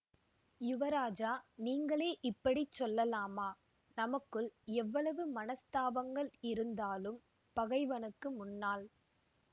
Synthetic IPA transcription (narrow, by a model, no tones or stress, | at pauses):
jʊʋɐɾaːd͡ʒaːniːŋɡɐɭeːʔɪpːɐɽit͡ʃːɔlːɐlaːmaː | nɐmɐkːɯɭɛʋːɐɭɐʋɯmɐnɐst̪aːʋɐŋɡɐɭɪɾɯnd̪aːlɯm | pɐɣɐɪʋɐnɯkːɯmʊnːaːl